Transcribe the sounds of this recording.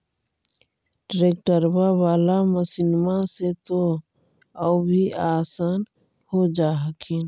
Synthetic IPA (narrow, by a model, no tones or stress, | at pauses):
ɖɾeːk̚ʈəɾwawaːlaməsɪnmaset̪o | əbʱiaːsaːn | hod͡ʒaːɦəkʰen